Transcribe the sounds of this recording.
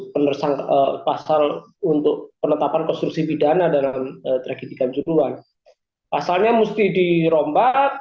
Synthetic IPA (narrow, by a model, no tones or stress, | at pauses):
pənərsaŋkəpasal | unt̪ʊk̚pənət̪apankɔnst̪ɾuk̚sifidanadalamət̪ɾaɡidikand͡ʒuɾuan | pasalɲamust̪idiɾɔmba